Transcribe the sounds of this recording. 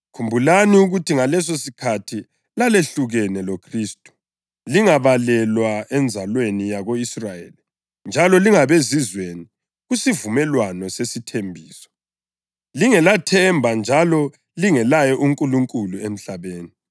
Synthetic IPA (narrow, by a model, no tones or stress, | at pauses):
kʰumbʱulaniuɣutʰiŋalɛs̬osikʰatʰi | laleɬuɣɛnɛlokʰriːstʼu̥ | liŋaβalɛlwaɛnd͡zʱalwenijaɣoisrajeːli | nd͡ʒʱalɔliŋaβezizweni | ɣusivumɛlwanɔsesitʰembʱiːsɔ̥ | liŋɛlatʰɛmbʱand͡ʒʱalɔ | liŋɛlajɛʔuŋkʼuluŋkʼuluem̩ɬaβeːni